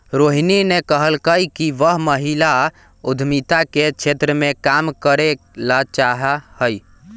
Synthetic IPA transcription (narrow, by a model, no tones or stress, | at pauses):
ɾoɦininekəɦəlkəjkiʋəɦməɦila | ud̪ʱmit̪aket͡ʃʰet̪ɾəmekamkəɾe | lat͡ʃaɦahəj